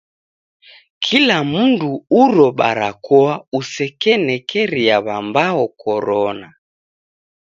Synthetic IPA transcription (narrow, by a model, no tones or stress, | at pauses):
kʰilamunduuɾɔɓa̰ɾakʰɔausɛkɛnɛkʰɛɾiaβambaɔkʰɔɾɔna